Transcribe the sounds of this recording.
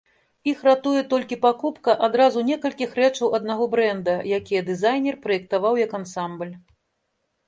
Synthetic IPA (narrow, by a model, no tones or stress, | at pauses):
ixrat̪ujɛt̪ɔlʲkʲipakupkɐʔad̪ɾazunʲɛkɐlʲkʲixrɛt͡ʂɐwʔɐd̪naɣɔbɾɛnd̪ɐjakʲijɐd̪ɨzajnʲɛrpɾɐjɛk̚t̪avawjɐkansamblʲ